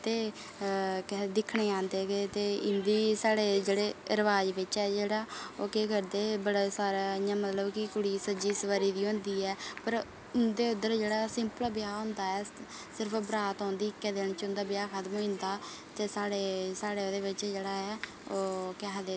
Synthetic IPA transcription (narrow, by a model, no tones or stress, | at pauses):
t̪eː | kd̪ɪkʰɳeːãːnd̪eːɡeːt̪eːɪnd̪iːsaːɽeːd͡ʒeːɽeːəɾʋaːd͡ʒʋɪt͡ʃɛːd͡ʒeːɽaːoːkeːkəɾd̪eːbəɽeːsaːɾaːãːmət̪ləbkɪkʊɽiːsəd͡ʒiːsəʋəɾiːd̪iːɦõːnd̪iːɛːpəɾ | ʊnd̪eːʊd̪əɾd͡ʒeːɽaːsɪ̃mpəlbɪjaːɦʊ̃nd̪aːɛː | sɪɾpʰbɾaːt̪ɔ̃ːnd̪iːɪkːɛːd̪eːɳ̃t͡ʃʊnd̪aːbjaːkʰət̪mõːnd̪aː | t̪eːsaːɽeːsaːɽeːoːd̪eːʋɪt͡ʃd͡ʒeːɽaːɦɛː | oːkɛɦd̪eː